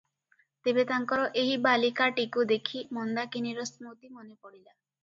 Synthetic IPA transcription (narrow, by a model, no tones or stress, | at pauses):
t̪ebet̪aŋkɔɾɔʔeɦibalikaʈikud̪ekʰimɔnd̪akiniɾɔsmut̪imonepɔɽila